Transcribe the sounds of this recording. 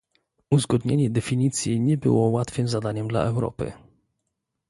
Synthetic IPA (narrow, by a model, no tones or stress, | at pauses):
uzɡɔd̪ɲeɲɛd̪ɛfʲiɲit̪sʲjiɲɛbɘ̰wɔwat̪fɘmzad̪aɲɛmd̪la̰ʔɛwɾɔ̰pɘ̰